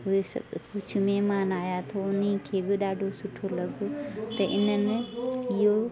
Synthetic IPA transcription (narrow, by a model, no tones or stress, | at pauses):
ɦoesɐ̰bkʊt͡ʃʰʊ̆mẽmaːnaːjat̪ʰoʊnikʰeːbɪɗaːɖʱosʊʈʰolɐɡʱot̪ɐʔɪnənɪɪɦo